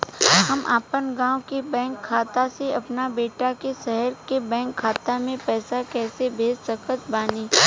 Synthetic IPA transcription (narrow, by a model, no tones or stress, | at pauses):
hɐmʔa̰ːpənɡãːwkebɛ̃ːŋkʰːaːt̪aseɐpnabeːʈakeʃɛɦəɾkebɛ̃ːŋkʰːaːt̪amẽpɛːsakɛːsebʱeːd͡ʒsɐkət̪baːnẽː